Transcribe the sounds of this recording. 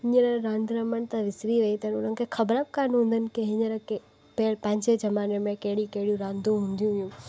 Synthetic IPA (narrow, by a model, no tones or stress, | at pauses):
ɦɪɲəɾəɾãːnd̪ɾəməñt̪ãʋɪsɾiʋɐit̪ɐnʊn̤ənɪ̆kʰexʰɐbɾəb̚kaːnɦũːnd̪ənɪ̆keɦɪɲəɾe | pːlpɐ̃ɦɪ̃ɲd͡ʑed͡ʑɐmaːnemẽkɐɦɪɽikɐɦɪɽijũɾãːnd̪ũɦũːnd̪ijũɦjũ